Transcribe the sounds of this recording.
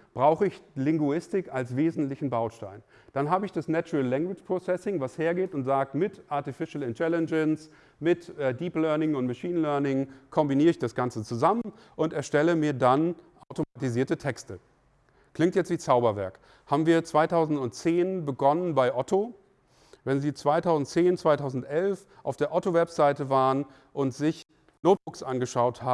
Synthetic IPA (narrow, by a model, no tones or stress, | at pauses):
b̥ʁaʊxəɪçlɪŋɡuɪstɪkalsv̥eːzn̩tlɪçn̩baʊʃta̰ɪn | d̥anɦaːbəɪçd̥asnɛt͡ʃʊʁəlːɛŋɡwɪt͡ʃpʁ̥osɛsɪŋvasheːɐɡeːtʊntz̥aːk̚tmɪtʔaɐtifɪʃl̩ɪntʰɛlɛnd͡ʒəns | mɪtɛdiːplœɐnɪŋʊntmaʃiːnlœɐnɪŋkʰɔmbiniːʁəɪçd̥asɡ̥ant͡sət͡suzamən | ʔʊntɛɐʃtɛləmiːɐdanʔaʊtomatiziːɐtətʰɛkstə | kʰlɪŋtjɛt͡stv̥iːt͡saʊbɐvɛ̰ɐk | haːbm̩viːɐt͡sv̥aɪtʰaʊzn̩tʊntt͡seːnbəɡɔnənbaɪʔɔtʰo | vɛnziːt͡sv̥aɪtʰaʊzn̩tt͡seːnt͡sv̥aɪtʰaʊzn̩tʔɛlf | ʔa̰ʊfd̥eːɐʔɔtovɛpz̥aɪtəvaːʁən | ʔʊntz̥ɪç | noːt̚b̥ʊksʔanɡəʃaʊthaː